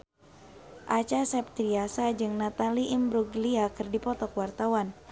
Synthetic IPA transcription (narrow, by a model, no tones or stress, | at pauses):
ʔat͡ʃasɛp̚t̪ɾiasad͡ʒɨŋnat̪aliʔimbɾuɡliakɨrdipɔt̪ɔkwart̪awan